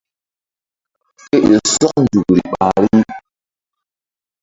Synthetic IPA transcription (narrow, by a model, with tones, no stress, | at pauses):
e˦ʔe˨sɔ˦k̚n̩˦˨du˨ɾi˨ɓa˨ɾi˦